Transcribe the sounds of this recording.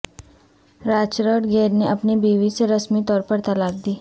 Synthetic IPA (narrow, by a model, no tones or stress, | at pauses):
ɾaːt͡ʃɾəʈɡeːɾneʔɐpnibiːʋiseɾɐsmit̪ɔːɾpəɾt̪ɐlaːɾ̚d̪iː